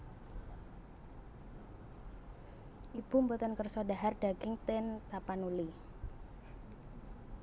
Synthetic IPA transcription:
ʔib̥umbɔt̪ɔnkərsɔdaɦarɖ̥aɡɪŋt̪ɛnt̪apanuli

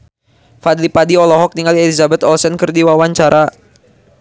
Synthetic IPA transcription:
fad̪lipadiɔlɔɦɔk̚niŋaliɛlizabɛt̪ɔlsɛnkərdiwawaɲt͡ʃaɾʔa

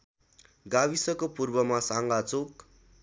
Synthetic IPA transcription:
ɡabisʌkopurbʌmasaŋɡat͡sok

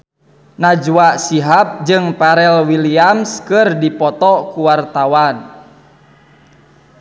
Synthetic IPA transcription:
nad͡ʒwaʔsiɦap̚d͡ʒɨŋpaɾɛlwiliamskɨrdipɔt̪ɔkuwart̪awan

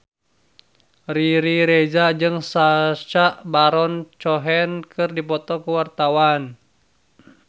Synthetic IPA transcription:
riɾiɾed͡ʒad͡ʒɨŋsat͡ʃaʔbaɾɔnt͡ʃɔɦɛnkɨrdipɔt̪ɔkuwart̪awan

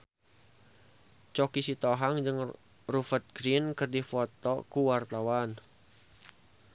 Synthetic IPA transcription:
t͡ʃɔkisit̪ɔɦaŋd͡ʒɨŋ | rufət̪̚ɡ̥ɾinkɨrdifɔt̪ɔkuwart̪awan

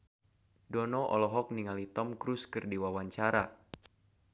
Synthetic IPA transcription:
dɔnɔʔɔ̰lɔɦɔk̚niŋalit̪ɔmkɾuskɨrdiwawaɲt͡ʃaɾa

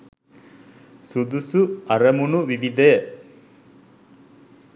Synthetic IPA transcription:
sud̪usuɐɾɐmunuʋiʋid̪e

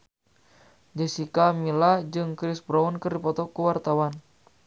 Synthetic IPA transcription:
d͡ʒɛsikamilad͡ʒɨŋkɾisbɾaunkɨrdipɔt̪ɔkuwart̪awan

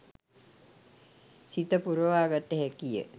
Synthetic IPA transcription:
sit̪əpuɾəʋaːɡat̪ːəɦɛkijə̰

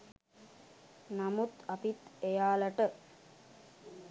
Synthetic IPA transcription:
namut̪apit̪ejaːləʈə

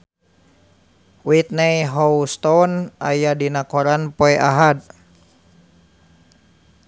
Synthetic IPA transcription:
wit̪̚najɦɔwst̪ɔna̰jadinakɔɾanpɔɛʔaɦad̪̚

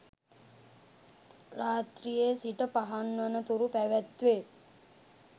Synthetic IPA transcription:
raːt̪ɾijesiʈəpaɦanʋənət̪uɾupæʋæt̪ʋe

